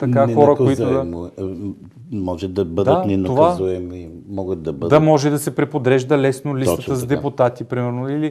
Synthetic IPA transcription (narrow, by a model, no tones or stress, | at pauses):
t̪ɐkaxɔɾəkoiʊd̪ɐm | mɔʒɛd̪ɐbəd̪ɐt̪nɛnokvazuɛmimɔɡət̪̚d̪ɐbəd̪ɐmɔʒɛd̪ɐsɛpɾɛpod̪ɾɛʒd̪ɐlɛsnolit̪ət̪əzd̪ɛpʊt̪at̪ipɾimɛɾnoili